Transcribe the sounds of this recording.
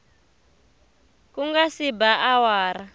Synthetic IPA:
kuŋɡasibaʔawaːɾa

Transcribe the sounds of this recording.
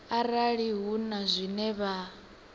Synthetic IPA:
aɾaɺiɦunazʷinɛβa

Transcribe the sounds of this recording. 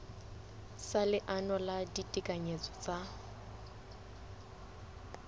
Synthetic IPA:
salɪʔanɔladitʼikʼaɲet͡sʼɔ̥t͡sʼa

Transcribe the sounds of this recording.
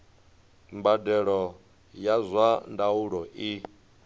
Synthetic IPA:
mbadɛɺɔ | jazʷwandauɺɔʔi

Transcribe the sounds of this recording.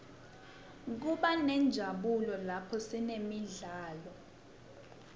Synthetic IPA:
k̬uɓanɛnd͡ʒʱaɓulɔlapʰɔsinemiɮaːlɔ

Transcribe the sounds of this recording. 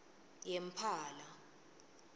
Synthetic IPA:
jem̩pʰaːla

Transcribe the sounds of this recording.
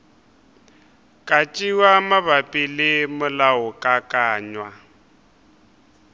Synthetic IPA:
kʼat͡ʃʼiwamabapʼɪlɪmʊlaʊkʼakʼaːɲwa

